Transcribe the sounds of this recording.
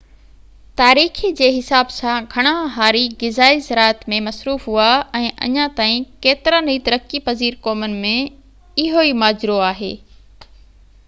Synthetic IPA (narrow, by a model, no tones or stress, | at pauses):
t̪aːɾiːxid͡ʑeːɦɪsaːbsãɡʱɐɽ̃ãɦaːɾiɡɪzaːizɐɾaːət̪mẽmɐsɾuːfɦuaɛ̃ːʔɐ̰ɲãt̪aːĩkeːt̪ɪɾanɐit̪ɐɾəkipɐziːɾkɔːmənɪ̆mẽ | ɪɦoimaːd͡ʑɾoaːɦḛː